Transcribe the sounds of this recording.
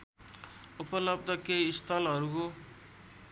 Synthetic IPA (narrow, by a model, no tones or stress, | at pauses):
upʌlʌb̚d̪ʱʌkeist̪ʰʌlɦʌɾuko